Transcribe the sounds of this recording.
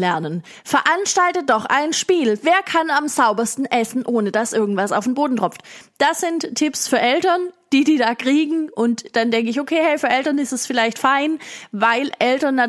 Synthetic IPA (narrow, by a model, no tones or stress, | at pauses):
lɛɐnən | fɛɐʔanʃtaltədɔχʔa̰ɪnʃpiːlveːɐkʰanamzaʊbɐstn̩ʔɛsn̩ʔoːnəd̥asʔɪɐɡŋ̩tv̥asa̰ʊfd̥enboːdn̩tʁ̥ɔp͡ftd̥asɪntʰːɪpsfyːɐʔɛltɐnd̥iːdiːdaːkʁ̥iːɡŋ̩ʔʊntd̥andɛŋkəɪçokʰeːhɛfyːɐʔɛltɐnɪstɛsfɪlaɪçtfaɪnvaɪlʔɛltɐnːa